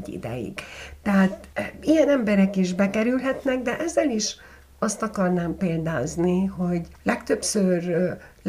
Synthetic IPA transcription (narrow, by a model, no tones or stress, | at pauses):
ḭd̪ɛ̰jḭɡ̥t̪ɛɦaːt̪ijɛnɛmbɛɾɛkiʒbɛkɛɾylɦɛt̪nɛɡd̪ɛʔɛzːɛliʃ | ɒst̪ɒkɒrnaːmpeːld̪aːzniɦo̞ɟlɛkt̪ø̞psørl